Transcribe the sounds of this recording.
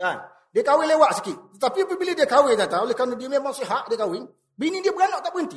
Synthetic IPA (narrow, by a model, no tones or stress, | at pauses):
an | dekawilewaʔsikitapipibilidekaweɡataulikanudimemasiɦaʔdekawin | binidibɾanːotabinti